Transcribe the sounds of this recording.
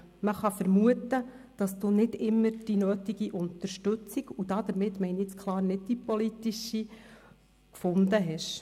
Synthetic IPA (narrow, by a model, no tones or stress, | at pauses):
məχɑfəɾmuət̪ə | d̥ɑsd̥uːnɪdɪmːəɾd̥inøːtiɡiʔʊnt̪əɾʃtɵt͡siɡ̥ud̥ɑd̪̥əɾmɪt̪ːmɛɪniet͡skʰlˠɑːɾnɪd̚d̥ipɔlitiʃi | kfʊndəɦɛʃ